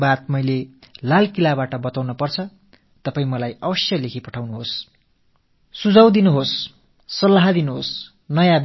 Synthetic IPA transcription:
bat̪̚mʌjlelalkilabaʈʌbʌt̪awnʌpʌrt͡sʰʌ | t̪ʌpaĩmʌlajʌbʌsjʌlekʰipʌʈʰawnuɦos | sud͡zʌwd̪inuɦosː | ʌlːaɦad̪inuɦos | nʌjãb

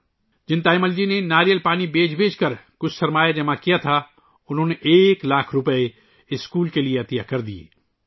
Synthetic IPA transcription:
d͡ʒɪnt̪aːɪməld͡ʒinenaːɾijəlpaːnibeːt͡ʃbʱeːt͡ʃkɐɾkʊt͡ʃʰsɐɾmaːjad͡ʒɐmãkijat̪ʰa | ʊnɦõːneʔeːklaːkʰɾʊpəe | ɪskuːlkelieɐt̪ɪjakɐɾd̪iḛː

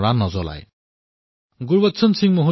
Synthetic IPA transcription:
ɽanʌd͡zɔla̰j | ɡuɾbʌt̪ːsʰʌnsiŋmoɦu

